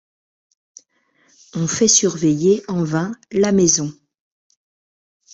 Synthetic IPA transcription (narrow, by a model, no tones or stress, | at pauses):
ɔ̃fɛsyʁvɛjeɑ̃vɛ̃lamɛzɔ̃